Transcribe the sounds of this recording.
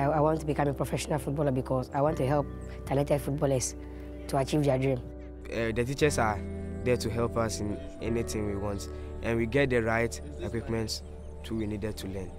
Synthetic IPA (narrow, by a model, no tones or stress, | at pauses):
aɪwɔ̃ntːubikãmepʰɹɔfɛʃɔnalfut̚bɔlabikʰɔsaɪwɔ̃ntuɦɛlp̚ | tʰanɛtɛdfut̚bɔləs | tuat͡ʃivdadɹĩm | ɛdətit͡ʃɛsadɛtʰuɦɛlˠpasĩn | ɛnitʰɪ̃ŋwiwɔ̃nt | ʔɛ̃nwiɡɛt̚dəɹaɪt | ekwipmɛ̃nts | hʰuwinidɛd̚tʰulɛ̃n